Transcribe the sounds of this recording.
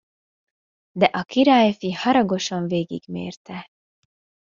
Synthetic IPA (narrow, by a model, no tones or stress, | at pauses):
d̪ɛʔɒkiɾaːjfihɒɾɒɡo̞ʃɒɱveːɡḭɡ̥mḛːrt̪ɛ